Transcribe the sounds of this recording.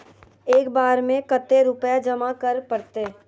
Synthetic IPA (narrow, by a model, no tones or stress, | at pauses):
eːkbaːɾmẽkət̪ːeɾʊpjad͡ʒɐmakəɾpɐɽt̪eː